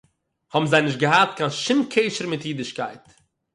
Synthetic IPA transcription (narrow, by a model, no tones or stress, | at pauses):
hɔbm̩zaɪnɪʃtɡəhatkanʃɪmkʰeɪʃəɾmɪtjiːdɪʃkaɪt